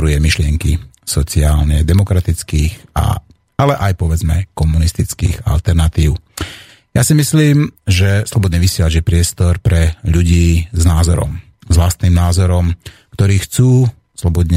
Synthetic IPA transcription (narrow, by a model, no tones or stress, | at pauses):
ɾujɛmiʃlɪɛŋkḭsɔt͡siaːlɲɛd̪ɛmɔkɾat̪it͡skiːxa̰ | alɛʔajpɔʋɛd͡zmɛkɔmunist̪it͡skḭːɣa̰lt̪ɛɾnat̪iːʊ | jasimisliːmʒɛslɔbɔd̪ɲɛʋisjɛlad͡ʒjɛpɾɪɛst̪ɔɾpɾɛʎuɟiːznaːzɔɾɔ̰m | zʋlast̪niːmnaːzɔɾɔm | kt̪ɔɾiːxt͡suː | slɔbɔd̪ɲɛ